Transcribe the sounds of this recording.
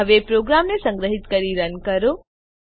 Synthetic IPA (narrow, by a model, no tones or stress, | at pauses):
əʋepɾoɡɾamnesə̃ŋɡɾəɦɪt̪kəɾiɾənkəɾo